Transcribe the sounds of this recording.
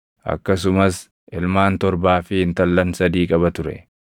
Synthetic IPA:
ʔɐ̰kːɐsʊmɐs | ʔɪlmaːnt̪ɔɾbaːfɪɪnt̪ɐlːɐnsɐd̪iːkʼɐβɐt̪ʊɾɛ̰

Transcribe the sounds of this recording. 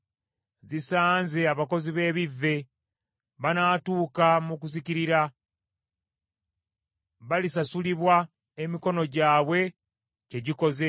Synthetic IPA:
zisaːnze̞aβako̞ziβe̞ːβivːe̞ | βanaːtuːkamukuziciɾiɾa | βalisasuliβwa | emiko̞no̞ɟaːβwe̞ | ce̞ɟiko̞ze

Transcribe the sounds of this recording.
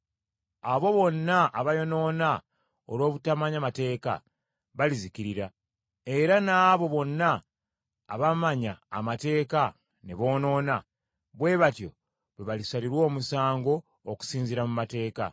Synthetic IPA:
aβo̞βo̞nːaːβajo̞no̞ːna | o̰lwo̞ːβutamaɲamate̞ːka̰ | βalizikiɾiɾa | e̞ɾanaːβo̞βo̞nːaː | βamaɲa̰ːmate̞ːka | ne̞βo̞ːno̞ːna | βwe̞ːβatjo̞̰ | βeβalisaliɾwo̞ːmusaːŋɡo̞ː | ku̥siːnziɾamumate̞ːka̰

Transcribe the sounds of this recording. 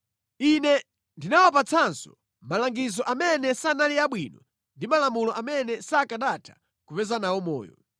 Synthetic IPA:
inɛ | ndinawapat͡sʰansɔ | malaŋɡizɔʔamɛnɛsanaliaɓwiːnɔ | ndimalamulɔʔamɛnɛsaːkaɗatʰḁ | kupɛzanawɔmɔ̰ːjɔ̰

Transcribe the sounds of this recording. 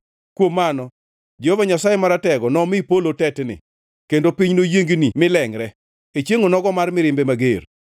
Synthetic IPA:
kwomːanɔ | d͡ʒeovaɲasajɛmaɾatɛɡɔnɔmɪpolotɛtnɪ̰ | kendopiɲnojeŋɡinimɪlɛŋɾɛ | et͡ʃeŋonɔɡɔmarmɪɾɪmbemaɡer

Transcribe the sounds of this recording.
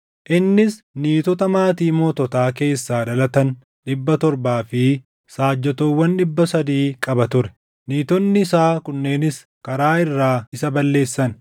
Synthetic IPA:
ʔɪnːɪs | niːt̪ɔt̪ɐmaːt̪iːmɔːt̪ɔt̪aːke̞ːsːaːd̪ɐlɐt̪ɐn | ᶑɪbːɐt̪ɔɾbaːfɪ | saːd͡ʒːɛt̪oːwːɐnɗɪbːɐsɐd̪iːkʼɐbɐt̪ʊɾɛ̥ | niːt̪ɔnːɪɪsaːkʊnːe̞ːnɪs | kɐɾaːɪrːaːɪsɐbɐlːe̞ːsːɐn

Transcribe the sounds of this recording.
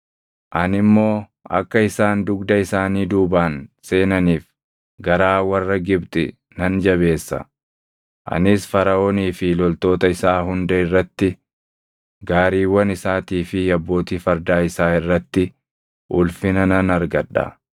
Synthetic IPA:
ʔɐnɪmːo̞ː | ɐ̰kːɐɪsaːnd̪ʊɡd̪ɐɪsaːniːd̪uːbaːnse̞ːnɐniːf | ɡɐɾaːwɐrːɐɡɪbt̪ʼɪ | nɐnd͡ʒɐβe̞ːsːɐ̰ | ʔɐ̰nɪsfɐɾɐoːniːfɪlɔlt̪o̞ːt̪ɐɪsaːɦʊnd̪ɐɪrːɐt̪ːɪ | ɡaːɾiːwːɐnɪsaːt̪iːfɪjɐbːo̞ːt̪iːfɐɾd̪aːɪsaːɪrːɐt̪ːɪ | ʔʊlfɪnɐnɐnɐɾɡɐᶑɐ̰

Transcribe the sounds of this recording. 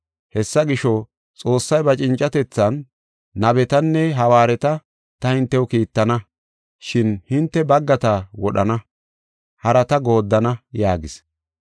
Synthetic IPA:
hɛsːɐɡɪʃɔ | t͡sʼo̞ːsːɐjbɐt͡ʃʼɪnt͡ʃʼɐt̪ɛt͡sːɐnː | ɐbɛt̪ɐnːɛɦɐwaːɾɛt̪ɐ | t̪ɐhɪnt̪ːɛwʊkiːt̪ːɐnɐ | ʃɪnhɪnt̪ːɛbɐɡːɐt̪ɐwɔɗɐnɐ | hɐɾɐt̪ɐɡo̞ːd̪ːɐnɐjaːɡɪs

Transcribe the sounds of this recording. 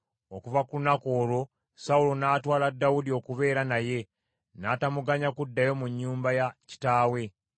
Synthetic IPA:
okuvakulunako̞ːlo̞ | saulo̞naːtwaːladːawudio̞kuβe̞ːɾanaje̞ | naːtamuɡaɲakudːajo̞muɲːuːmbajaci̥taːwe̞

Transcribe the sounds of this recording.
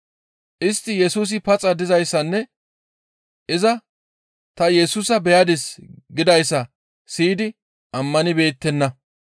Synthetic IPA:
ʔɪst̪ːɪjɛsuːs̬ɪpɐt͡sʼɐd̪ɪzɐjsːɐnːɛ | ʔɪzɐ | t̪ɐjɛsuːsɐbɛjɐd̪ɪsɡɪd̪ɐjsːɐ | siːd̪ɪ | ʔɐmːɐnɪbe̞ːt̪ːɛnːɐ

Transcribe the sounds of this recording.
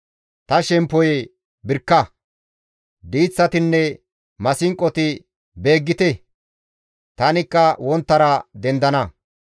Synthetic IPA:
t̪ɐʃɛmpːɔj | bɪɾkːɐ | d̪iːt͡sːɐt̪ɪnːɛ | mɐsɪŋkʼːɔt̪ɪ | be̞ːɡːɪt̪ɛ | t̪ɐnɪkːɐwɔnt̪ːɐɾɐd̪ɛnd̪ɐnɐ

